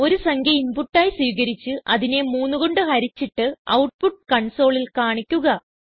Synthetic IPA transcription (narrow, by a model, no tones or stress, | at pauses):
o̞ɾusɐŋɡʱjɐinpuʈːaːjiswiːɣɐɾit͡ɕːɨʔɐðine̞muːnːuɣo̞ɳɖɨɦɐɾit͡ɕːiʈːɨɐ̰wʈ̚puʈ̚ːkɐɳso̞ːɭilkaːɳikʲːuɣɐ